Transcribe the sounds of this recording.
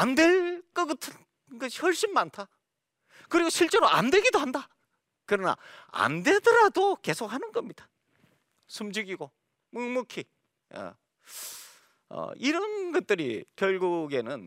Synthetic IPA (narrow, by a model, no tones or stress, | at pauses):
andwe̞lk͈ʌkɯtʰɯ | ɡʌɕʰi̥hʌɭɕ͈inmantʰa | kɯɾiɡoɕʰiɭt͡ɕ͈eɾoa̰ndwe̞ɡidohanda | kɯɾʌna̰a̰nde̞dʌɾadoke̞sʰok̚hanɯnɡʌmɲid̥ḁ | sʰumd͡ʑiɡiɡo | muŋmukʰi | ʌ̰ | ʌ̰iɾʌnɡʌt̚t͈ɯɾḭkjʌɭɡuɡe̞nɯn